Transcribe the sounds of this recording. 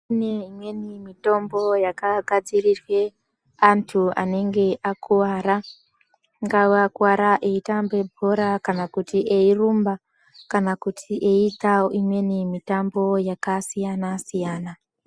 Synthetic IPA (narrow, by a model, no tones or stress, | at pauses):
uneimwe̞nimito̞mbo̞jakaɡʱad͡zirirwe̞ | antʰua̰ne̞ŋɡe̞ʔakʰuwaːɾa | ŋɡauakuwaɾaʔeitambe̞bʱoɾakanakutiʔeirumba | kanakutʰiʔeitaoʔimwe̞nimitambo̞jakasijanasijaːna